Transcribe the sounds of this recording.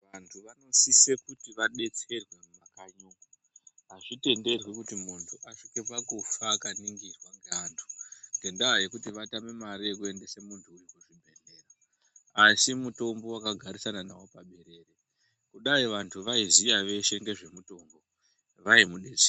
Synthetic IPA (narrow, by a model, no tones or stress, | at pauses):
ʋantʰuʋano̞sise̞kutiʋaɗe̞t͡se̞rwe̞mumakaɲo | ɦaʐite̞nde̞rwikutimuntʰuʔaʂike̞pakufaːkaniŋɡirwaŋɡeaːntʰu̥ŋɡe̞ndaɦaje̞kutiʋatame̞maɾiekue̞nde̞semuntʰuːrikuʐibʱe̞ɮe̞ːraː | simuto̞mbo̞wakaɡʱaɾisananawo̞paɓe̞ɾe̞ːre | kuɗaiʋantʰuʋaizijaʋe̞ʃe̞ŋɡe̞ʐe̞muto̞ːmbo̞ | ʋaimuɗe̞t͡serw